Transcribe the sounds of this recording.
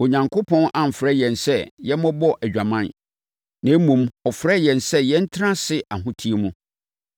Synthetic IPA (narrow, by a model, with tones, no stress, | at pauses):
o˨ɲã˨ŋkʰo˦pʰɔ̃˦nʔã˨m̩˨fɾɛ˦jɛ̃˨nsɛ˦jɛ˦mɔ̃˦bɔ˦ʔæ˨d͡ʑᶣa˨mã˦n | nã˨˦mũ˨mɔ˨fɾɛ˦jɛ̃˨nsɛ˦jɛ˦n̩˦tʰɾã˦sɪ˦ʔa˨ɦʊ̃˦tʰi˦e˦mũ˦